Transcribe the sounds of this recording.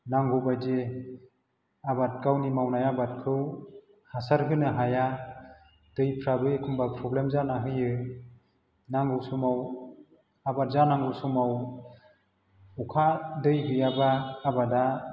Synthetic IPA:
naŋɡubajd͡ʒe | abat̚ɡawnimawnajabat̚kʰɯw | hasaɾɦɯnɯɦaja | d̥ɯjpʰɾabɯekʰumbapʰɾɔblemzanaɦɯjɯ | naŋɡɯsumaw | abat̚zanaŋɡusumaw | ukʰadɯjɦɯjabaːbada

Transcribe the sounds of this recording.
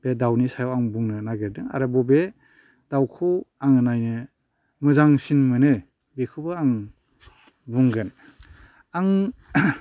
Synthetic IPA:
b̥edawnisajawaŋbuŋnɯnaɡeɾdɯŋa̰ɾɯbɔbe | d̥awkʰɯwaŋɯnajnɯ | mɯzaŋsinmɯnɯ | bekʰubɯaŋ | buŋɡɯn | aŋ

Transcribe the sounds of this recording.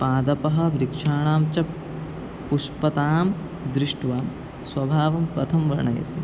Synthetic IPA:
paːd̪ɐpɐɦɐ̆ʋɾikʂaːɳaːmt͡ʃɐ | puʂpɐt̪aːm | d̪ɾiʂʈʋaː | swɐbʱaːʋɐmpɾɐt̪ʰɐmʋɐɾɳɐjɐ̰si

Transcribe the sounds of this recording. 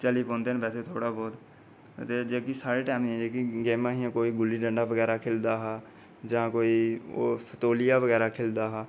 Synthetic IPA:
t͡ʃəliːpɔ̃ːnd̪eːənpɛːseːt̪ʰoːɽaːbɔːt̪ | t̪eːd͡ʒeːkisaːɾeːʈɛːmɛ̃d͡ʒeːkiɡeːmãːɦiãːkoːiːɡʊlːiːɖə̃ɳɖaːʋəɡɛːɾaːkʰeːld̪aːɦaː | d͡ʒãːkoːiːoːsət̪oːlɪjaːʋəɡɛːɾaːkʰeːld̪aːɦaː

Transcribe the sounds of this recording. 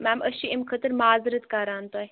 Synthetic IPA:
maːmʔəʃiimkʰət̪ɨɾmaːzɨɾət̪kaːɾaːnt̪oːj

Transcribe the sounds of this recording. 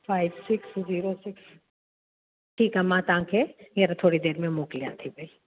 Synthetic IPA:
fʰaːɪbsɪksziːɾosɪks | ʈʰiːkɦamãːt̪ãːkʰejeɾat̪ʰoːɽid̪eːɾmẽmoːklijã̰ːt̪ʰibʱəi

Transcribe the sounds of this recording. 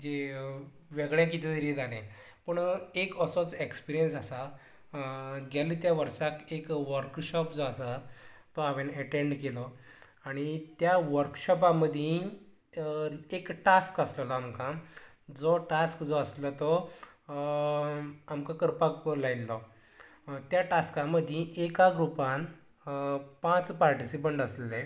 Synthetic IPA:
d͡ʑe | ʋeɡɭjãkit̪ʰit̪ʰəɾid͡zalẽ | pəɳekəsɔt͡sekspiɾijənsasa | ɡɛlit̪jaʋəɾsakekʋəɾkɕɔpd͡zɔasat̪ɔaʋẽnɛʈẽɳɖkelɔ | aɽ̃it̪jaʋəɾkɕɔpãməd̪ʱjẽ | ekʈaskəsləlɔamkã | d͡zoʈaskd͡zɔəslət̪ɔ | amkakəɾpaklailːɔ | t̪jaʈaskãməd̪ʱjĩʔekaɡɾupãn | pãt͡spaɾʈisip̬əɳʈəslle

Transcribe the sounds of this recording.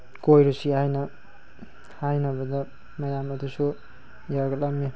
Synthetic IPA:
kojɾusiajnʌ | hajnʌbʌd̪ʌ | mʌjamʌd̪uso | jaɡalame

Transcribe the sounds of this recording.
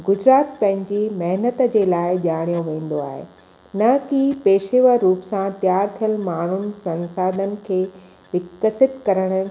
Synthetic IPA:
ɡʊd͡ʑɾaːt̪pɐ̃ɦɪ̃ɲd͡ʑimɐɦnət̪d͡ʑeːlaːɪʄaːɽ̃ijõʋẽːn̆d̪oa̰ːɦḛː | nɐkipeːʃeʋəɾuːpsãt̪jaːɾt̪ʰijəlmaːɳ̤ʊnɪ̆sɐ̃nsaːd̪ʱənɪ̆kʰeː | ʋɪkːəsɪt̪kɐɾəɽ̃ə̆

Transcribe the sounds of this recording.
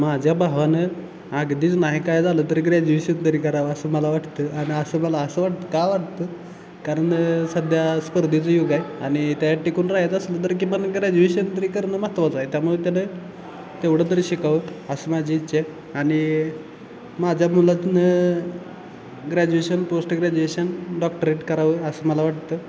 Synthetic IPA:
mad͡ʑʱjabʱaɦʋanə | aɡd̪iːt͡snaɦikajd͡zalət̪əɾɡɾad͡ʑuʋeɕənt̪əɾiːkəɾaʋəəsəːməlaʋaʈt̪əʔaɽ̃iəsəːməlaəsəːʋaʈ̚t̪ə̥kajʋaʈ̚t̪ə | kaɾəɳsəd̪ʱjaspəɾd̪ʱit͡səjoɡajañit̪jajaʈikuːnɾajet̪əslət̪̬əɾk̬imənəɡɾad͡ʑuʋeɕənt̪əɾiːkəɾnəːmast̪ʋat͡saɦet̪jamuɭet̪janə | t̪eʋɽət̪̬əɾiɕikaʋəəsəːmad͡ʑʱiːt̪ːɕʰa | aɽ̃i | mad͡ʑʱjamulat̪nə | ɡɾæd͡ʑueɕənposʈɡɾæd͡ʑueɕənɖɔkʈəɾeʈkəɾaʋəːəsəːməlaʋaʈ̚t̪ə

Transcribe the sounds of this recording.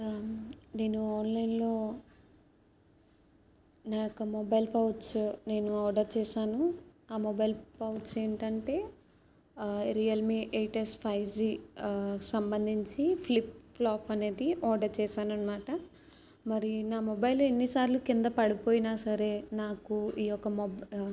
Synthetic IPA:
ne̞ːnuaːnlɐjnlo̞ː | naːkɐmɔbɐjlpɐwt͡ʃne̞ːnuɔːɖɐɾt͡ʃɛːʃaːnuaːmɔbɐjlpɐwʈse̞ːɳʈɐɳʈe̞ː | ɾijɐlmiʔeːʈespʰɐjd͡ʒi | sɐmbɐnd̪ʱiɲt͡ʃipʰlipplaːpʰɐne̞ːd̪iʔɔːɖɐɾt͡ʃɛːʃaːnɐnːɐmaːʈɐ | mɐɾinaːmɔbɐjlenːisaːɾlukind̪ɐpɐɽipoːjinaːsɐɾe̞ːnaːkuiːjɔkːɐmɔb

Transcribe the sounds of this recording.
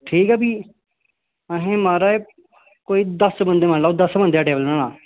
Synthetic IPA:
ʈʰiːkɛːbiː | əɦẽːmaːɾaːeː | koːiːd̪əsbənd̪eːmə̃nlaːʊd̪əsbə̃nd̪ejaːʈeːbəlaːnaː

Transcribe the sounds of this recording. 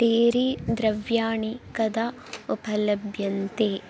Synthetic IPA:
ʈ̪eːɾid̪ɾɐʋjaːɳikɐd̪ɐ | upɐlɐbʱjɐnt̪eː

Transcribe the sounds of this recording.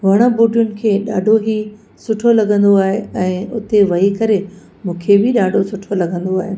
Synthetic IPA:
ʋɐɽ̃əbuːɖʱijʊnɪ̆kʰeːɗaːɖʱoɦi | sʊʈʰolɐɡʱə̃nd̪oaːɦeɛ̃ːʊt̪eʋɐɦikɐɾe | mũːkʰebɪɗaːɖʱosʊʈʰolɐɡʱə̃nd̪oaːɦeɪ

